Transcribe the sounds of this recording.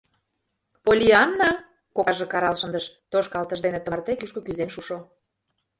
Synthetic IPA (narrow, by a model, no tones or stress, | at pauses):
polʲiɑnːɑ | kokɑʒĕkɑɾɑlʃənd̪əʃ | t̪oʃkɑlt̪əʒd̪enĕt̪əmrt̪ekyʃkokyzenʃuʃo